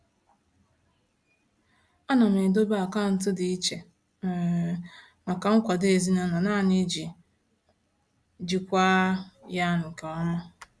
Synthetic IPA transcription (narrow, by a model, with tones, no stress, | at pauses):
ɔ˦na˨m˨e˨do˦ba˦a˨ka˦n̩˨t̬ʊ˦dɪ˨i˦t͡ʃe˨ | ma˨ka˨ŋ̩˦kʷa˨de˨zi˦na˦na˨na˦˨nɪ˦d͡ʒi˨ | d͡ʒi˨kʷa˦ja˦ŋ̩˨ka˨ɔ˦ma˦